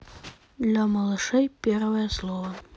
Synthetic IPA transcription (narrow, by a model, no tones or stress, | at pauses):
d̪lʲɐmɐlˠɨʂɛjpʲervəjəslˠɔvə